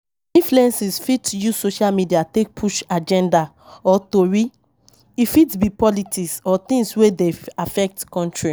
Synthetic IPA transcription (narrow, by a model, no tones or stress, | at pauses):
ĩnfluɛ̃nsisfitjuzsoʃalmidiatek̚pʰuʃad͡ʒɛ̃nda | ɔtoɹi | ifitbipɔlitiksɔt̪ĩŋɡswedeafɛk̚tkɔ̃ntɹi